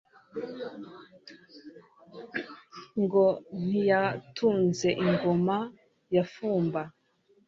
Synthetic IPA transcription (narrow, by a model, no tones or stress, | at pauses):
ŋɡon̥ijatʰuːnze̞ʔiŋɡoma | jafuːmba